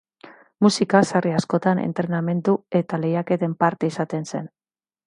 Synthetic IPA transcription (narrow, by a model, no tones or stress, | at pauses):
musikasariasko̞t̪anḛnt̪ɾe̞name̞nt̪ue̞t̪ale̞jake̞t̪e̞mpaɾt̪e̞isat̪e̞nse̞n